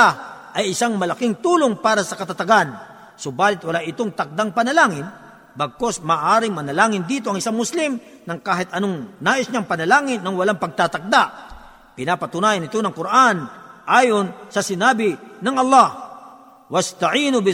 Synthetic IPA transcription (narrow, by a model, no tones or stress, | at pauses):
aʔɐjɪsaŋmɐlɐkɪŋt̪uːloŋpaːɾɐsɐkɐt̪at̪ɐɡan | sobaːlɪt̪̚wɐlaʔɪt̪oŋt̪ɐk̚d̪aŋpɐnɐlaːŋɪn | bɐɡ̚ko̞smaːʔaːɾɪŋmɐnɐlaːŋɪnd̪iːt̪̬oʔɐŋɪsaŋmʊslɪmnɐŋkaːɦɪt̪ʔɐnoŋnaːʔɪsɲaŋpɐnɐlaːŋɪnːɐŋwɐlaŋpɐɡ̚t̪at̪ɐk̚d̪aʔ | pɪnaːpɐt̪ʊnaːjɐnɪt̪onɐŋkʊɾʔanʔaːjonsɐsɪnaːbɪnɐŋʔɐlˠːɑh | wɐst̪ɐʕiːnʊbɪ